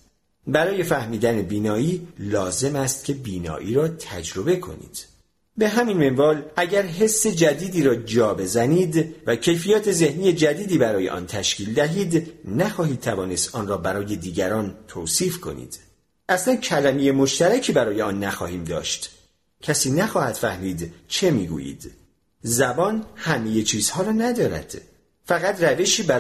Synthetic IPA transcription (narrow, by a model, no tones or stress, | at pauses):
bæɾɒːje̞fæhmiːd̪æne̞biːnɒːiːlɒːze̞mæst̪̚cʰe̞biːnɒ̰ːʔiːɾɒːt̪ʰæd͡ʒɾo̞be̞kʰo̞̰nḭːd̪̥ | be̞ɦæminme̞mvɒːlæɟæɾɦe̞sːe̞d͡ʒæd̪iːd̪iːɾɒːd͡ʒɒːbe̞zæniːd̪væcʰe̞jfijɒːt̪ʰe̞ze̞hniːje̞d͡ʒæd̪iːd̪iːbæɾɒːjeʔɒ̰ːnt̪ʰæʃciːld̪æɦiːd̪næxɒːhiːd̪̚t̪ʰævɒːne̞st̪ʔɒːnrɒːbæɾɒːje̞d̪iːɟæɾɒːnt̪ʰoːsiːfkʰo̞̰nḭːd̪̥ | ʔæslæncʰælæmejemo̞ʃt̪æɾæcʰiːbæɾɒːjeɒːnːæxɒ̰ːhiːmd̪ɒ̰ːʃt̪ | cʰæsiːnæxɒːhæt̪fæhmiːd̪t͡ʃʰe̞mḭːɡṵːjḭːd̪̥ | zæbɒːnhæme̞je̞t͡ʃʰiːz̥hɒːɾɒːnæd̪ɒːɾæ̰d̪̥ | fæɣæt̪ræve̞ʃiːbæ